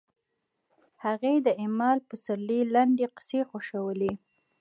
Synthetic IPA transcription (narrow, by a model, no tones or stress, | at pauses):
haɣed̪əɪmɑlpəsaɾlilaɳɖeqɪ̥sexoʃawəle